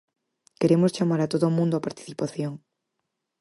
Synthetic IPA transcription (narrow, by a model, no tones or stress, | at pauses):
keɾemʊst͡ʃamaɾat̪oðʊːmũnd̪oapaɾt̪i̥θipaθjoŋ